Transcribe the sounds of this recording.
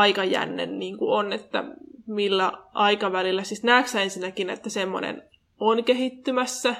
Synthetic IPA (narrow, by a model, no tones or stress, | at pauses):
ɑikɑjæ̰nːḛnniːŋkuonet̪ːæ̰milːæʔɑikɑʋælilːæsisnæːksensinːækinḛt̪ːæsemːo̰nḛn | onkehit̪ːymæsːæ